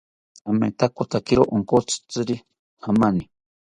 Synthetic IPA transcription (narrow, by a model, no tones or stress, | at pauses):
amḛt̪akot̪akiɾoʔoŋkot͡sɨ̥t͡sɨɾi | hamani